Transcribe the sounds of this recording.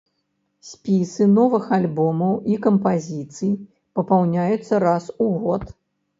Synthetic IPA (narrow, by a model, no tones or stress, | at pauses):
sʲpʲisɨnɔvɨxalʲbɔmɐwikɐmpazʲit̪sɨj | pɐpawnʲajut̪sːɐɾasuɣɔt̪